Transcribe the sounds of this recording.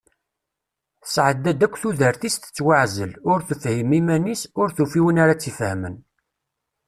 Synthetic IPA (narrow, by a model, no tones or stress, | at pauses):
θə̥sʕəd̪æd̪ækʷːθuðəɾθist̪ə̥t͡sːwaʕzəlʊɾθəfhimimænisʊɾθufiwənaɾat͡sːifhəmən